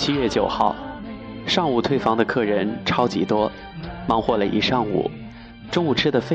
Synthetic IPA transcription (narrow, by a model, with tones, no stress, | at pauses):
t͡ɕʰi˥ɥɛ˥˩t͡ɕjo˨˩ʊxɑ˥˩ʊʂɑ˥˧ŋu˨˩t̪ʰwe˥ɪfɑ˧˥ŋd̪ə˧kʰɤ˥˩ɻə˧˥nʈ͡ʂʰɑ˥ʊt͡ɕi˧˥t̪wɔ˥ | mɑ˧˥ŋxwɔ˥˩lə˩ʔḭ˧˥˩ʂɑ˥˧ŋṵ˥˨˩ | ʈ͡ʂʊ˥ŋu˨˩ʈ͡ʂʰɻ̩˥d̪ə˨fe˥